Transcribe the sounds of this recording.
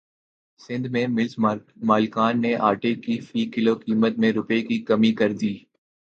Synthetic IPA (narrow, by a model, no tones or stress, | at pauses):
sɪ̃nd̪mẽmɪlsmaːlkaːnːeʔaːʈekifiːkɪloːkiːmət̪̚mẽɾʊpekikɐmikɐɾd̪iː